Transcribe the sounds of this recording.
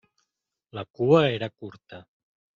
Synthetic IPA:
lakuəeɾakuɾt̪ə

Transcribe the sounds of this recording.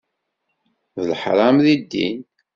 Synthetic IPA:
ðəlħɾˤɑmðid̪ːḭn

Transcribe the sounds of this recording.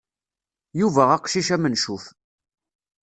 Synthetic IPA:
juvæʁæqʃiʃæmənʃuf

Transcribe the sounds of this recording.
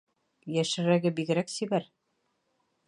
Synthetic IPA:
jæʃɘ̆ɾæɡɘbiɡɘ̆ɾæksibæɾ

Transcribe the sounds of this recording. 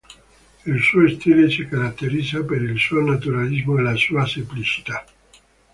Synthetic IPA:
ilsuːost̪ilesikaɾat̪ːeɾid̪zapeɾilsuonat̪̬uɾalizmoelasuːasemplit͡ʃi̥t̪a

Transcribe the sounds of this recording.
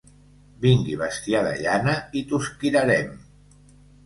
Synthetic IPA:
biŋɡiβəst̪iaðə̰ʎanəit̪uskiɾəɾɛm

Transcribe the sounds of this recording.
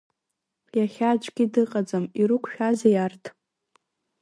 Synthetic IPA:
jaχʲad͡ʒʷʼɡʲidɨqʼad͡zamiɾukʷʰʼʃᶣazejartʰ

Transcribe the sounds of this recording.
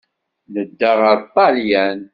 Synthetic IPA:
nəd̪ːəʁəɾt̪ˤɑljæn

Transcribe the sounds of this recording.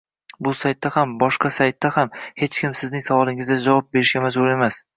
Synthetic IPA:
bʊsajt̪ːahambɒʃqɑsajt̪ːahamhe̞t͡ʃkʲɪmsɪznɪŋsavɒlˠɪŋɪzd̪ad͡ʒavɒp̚be̞ɾɪʃɡʲamazbʊle̞mas

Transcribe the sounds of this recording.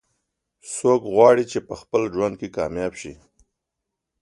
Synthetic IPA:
sokɣwɑɽit͡ʃepəxpəld͡ʒwand̪̚kekɑmjɑbʃḭ

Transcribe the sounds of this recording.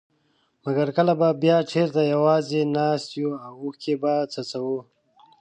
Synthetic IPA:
maɡaɾkəlababjɑːʈ͡ʂʰeɾt̪ajawɑːzenɑst̪juawuhkebat͡sʰət͡sawu

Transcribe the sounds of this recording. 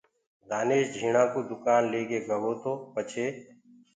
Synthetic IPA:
d̪aːneːʃd͡ʒʱiːɳãːkoːd̪ʊkaːnleːɡeːɡəɦoːt̪ʰoːpət͡ʃʰeː

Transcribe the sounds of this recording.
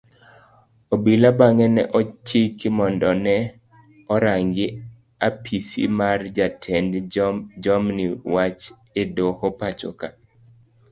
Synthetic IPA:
obilabaŋɛnɛ̰ʔɔt͡ʃikmɔndɔnɛ | ɔɾaŋɡɪ | apʰisḭmard͡ʒatʰɛndd͡ʒɔmniwat͡ʃ | edohopat͡ʃo̰ka

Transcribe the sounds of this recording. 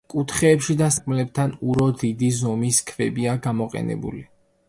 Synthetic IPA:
kʼut̪ʰχɛːpʃid̪asakʼmlɛp̚t̪ʰanuɾɔd̪id̪izɔmiskʰvɛbiaɡamɔqʼɛ̰nɛ̰bṵli

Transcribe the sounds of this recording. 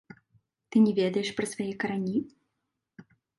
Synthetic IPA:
t̪ɨnʲɛvʲɛd̪ɐjɛʂpɾɐsvajɛkɐɾanʲi

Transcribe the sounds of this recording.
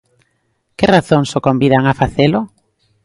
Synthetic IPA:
kɪraθoŋsokombiðaŋafaθelʊ

